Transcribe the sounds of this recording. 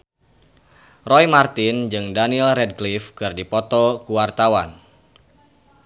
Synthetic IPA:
rɔjmart̪ɪnd͡ʒɨŋdanilrɛd̚ɡlifkɨrdipɔt̪ɔkuwart̪awan

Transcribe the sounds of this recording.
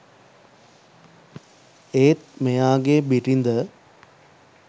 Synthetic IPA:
eːt̪̚mejaːɡebiʈind̪ə

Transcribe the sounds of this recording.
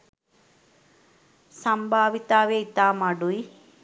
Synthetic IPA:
sɐmbʱaːʋit̪aːʋeit̪aːmaɖui

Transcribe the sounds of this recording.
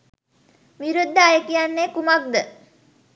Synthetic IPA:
ʋiɾud̪ːəːjəkijanːeːkumak̚d̪ə

